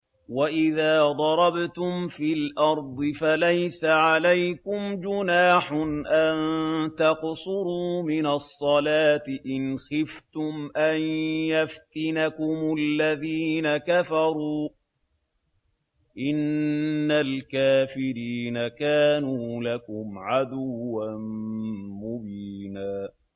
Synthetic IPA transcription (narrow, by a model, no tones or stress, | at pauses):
waʔɪðaːd̪ˤɑɾˤɑbt̪ʊmfiːlʔɑɾˤd̪ˤɨfalajsaʕalajkʊmd͡ʒʊnaːħʊnʔant̪ɑqsʊɾuːmɪnasˤːɑlaːt̪ɪʔɪnxɪft̪ʊmʔanjaft̪ɪnakʊmʊlːaðiːnakafɑɾˤuː | ʔɪnː | alkaːfɪɾiːnakaːnuːlakʊmʕad̪ʊwːan | mʊbiːnaː